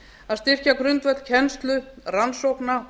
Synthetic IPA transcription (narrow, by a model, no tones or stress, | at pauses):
aðst̪ɪr̥cakɾʏnt̪vœt̪cʰɛnst̪lʏransowkna